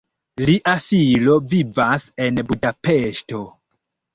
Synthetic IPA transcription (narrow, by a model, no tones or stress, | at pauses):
liʔafilovivase̞nbudapeʃto̞